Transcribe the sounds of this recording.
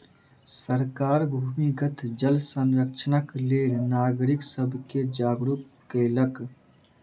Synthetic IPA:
səɾkaːɾbʱuːmiɡət̪ʰd͡ʒəlsə̃nɾəkʃənəkleːlnaːɡɾɪksəbʱked͡ʒaːɡɾup̚ | kelək

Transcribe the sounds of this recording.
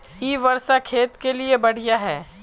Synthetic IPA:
iːʋɐɾʃakʰeːt̪keliebɐɽ̤ijaɦɛː

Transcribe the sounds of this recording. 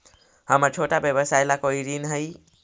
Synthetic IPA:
həməɾt͡ʃʰoʈabjəbəsajlakoiɾinɦəj

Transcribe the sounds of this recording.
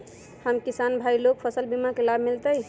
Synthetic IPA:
həmkisanbʱailok̚pʰəsəlbimakelabʱmilt̪əj

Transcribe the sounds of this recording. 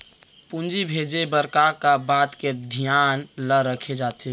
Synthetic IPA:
pund͡ʒibʱed͡ʒebəɾkakabat̪ked̪ʱijanləɾəkʰed͡ʒat̪ʰi

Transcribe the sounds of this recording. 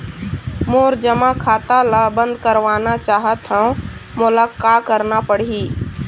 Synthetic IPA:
moːɾd͡ʒəmãkʰaːt̪alabə̃nd̪kəɾʋaːnat͡ʃaːɦət̪ɦãmʊlaːkaːkəɾnapəɽ̤iː

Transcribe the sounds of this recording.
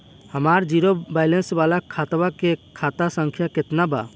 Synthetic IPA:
həmaɾd͡ʒiɾobajlensbalakʰat̪bakekʰat̪asəŋkʰjaket̪naba̰

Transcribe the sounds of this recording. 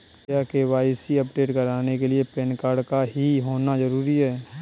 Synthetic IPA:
jakeʋaːisiɐpɖeːʈkɐɾaːnekeliepeːnkaːɾɖkaɦiɦoːnazɐɾuːɾiɦɛː

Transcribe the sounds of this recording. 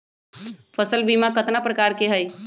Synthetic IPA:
pʰəsəlbimakət̪napɾəkaɾkeɦəj

